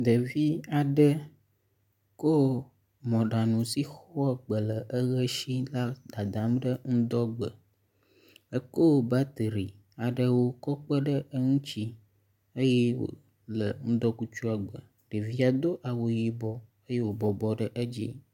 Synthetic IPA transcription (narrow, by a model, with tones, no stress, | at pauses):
d̪ə˨vi˦a˨ɖə˦ | ko˦˨ | mɔ̃˨ɖa˨nũ˨si˦xɔ˦a˦ɡ͡bə˨lə˨ʔə˦ɣə˦ʃi˦la˦d̪a˨d̪a˨mɖə˦ŋ̩̃˦d̪ɔ˦ɡ͡bə˨ | ə˦ko˦˨ba˦t̪ɾi˨ | a˨ɖə˦wo˦kɔ˦k͡pə˦ɖə˦ʔə˦ŋũ˦t͡ɕi˦ | ə˦jɛ˦wo̰˨ | lə˨ŋ̩̃˦d̪ɔ˦ku˦t͡ʃu˦a˨ɡ͡bə˨ | ɖə˨vi˦a˨d̪o˦ʔa˨wo˨ji˦bɔ˦ | ə˦je˦wo˨bɔ˨bɔ˨ɖə˦ʔə˦d͡ʑḭ˦